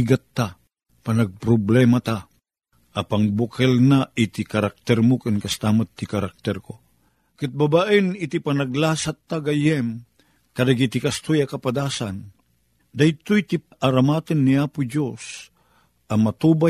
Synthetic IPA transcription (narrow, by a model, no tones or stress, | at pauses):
ɡat̪ːa | panaɡ̚pɾoblɛmat̪a | ʔapaŋbukɛlnaʔit̪ikaɾak̚t̪ɛɾmʊkɨnkast̪aːmat̪ːikaɾak̚t̪ɛɾko | kɨt̪̚babaʔənit̪ipanaɡlaːsat̪ːaɡajɛm | kɐd̪aɡit̪ikast̪ujakɐpad̪aːsan | d̪ajt̪ujt̪iʔaɾamaːt̪ənːiaːpʊd͡ʒos | ʔɐmat̪uba